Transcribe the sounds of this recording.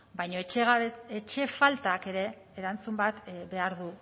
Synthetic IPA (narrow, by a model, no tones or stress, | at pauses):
bajɲo̞et͡ʃɣet͡ʃe̞falt̪aːke̞ɾe̞ː | ɾant͡sumbat̪be̞aɾðu